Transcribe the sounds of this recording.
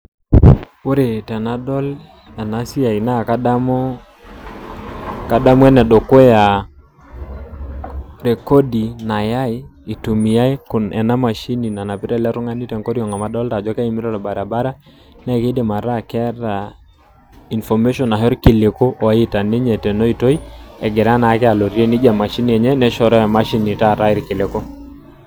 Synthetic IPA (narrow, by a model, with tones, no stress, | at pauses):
o˦ɾe˨tɛ˨na˦dɔ˦l | a˨na˦si˦a˨i˨na˦˨ka˦da˦mɔ˦ | ka˦da˦mwɛ˦nɛ˨do˨ko˦ja˨ | ɾe˨kɔ˦di˨na˨ja˦i˦i˨tu˨mi˨ja˦i˦kʊ˨nɛ̰˨na˦ma˨ʃi˦ni˨na˨na˨pɪ˦ɾɛ˦˨lɛ˦ɾʊ˦ŋa˦ni˦tɛ˨ŋko˦ɾi˦ɔ˨ŋa˨ma˦dɔ˦lta˨d͡ʒɔ˦ka˦i˨mɪ˦ɾɔ˦ɾɔ˨ba˨ɾa˨ba˦ɾa˦ | nɛ˦ke˦de˨ma˨ɾa˦kɛ˦ɾa˨ | i˨nfɔ˨me˦ʃɔ˨na˨ɦɾkɪ˨le˨ko˦ʔɔ˨˦ɪ˦ta˨ne˦ɲɛ˨tɛ˨nɔ˦i˨to˦i˦ɛ̰˨ɡɛ˨ɾa˦na˨˦kɛ˦a˨lɔ˨ɾe˦ni˦d͡ʒa˨ma˨ʃi˦ni˨ɛ˨ɲɛ˦nɛ˦ʃɔ˨ɾɔ˦a˨ma˦ʃi˦ni˨ta˦˨ɾa˦ɪ˦ɾkɪ˨le˨ko˦